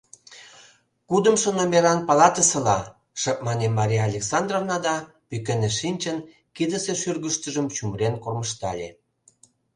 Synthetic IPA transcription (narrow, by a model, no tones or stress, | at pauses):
kud̪əmʃonomeɾɑnpɑlɑt̪əsə̆lɑ | ʃə̆k̚mɑnemːɑɾʲijɑlʲeksɑnd̪rovnɑd̪ɑ | pykeneʃinʲt͡ɕən | kid̪əseʃyrɣəʃt̪əʒəmt͡ɕumrenkorməʃt̪ɑ̰lʲḛ